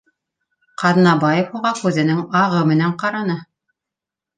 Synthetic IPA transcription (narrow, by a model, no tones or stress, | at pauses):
qɑð̆nɑbɑjefhuʁɑkʉðɘ̆nɘŋɑʁɤmɘ̆næɴqɑɾɑnɤ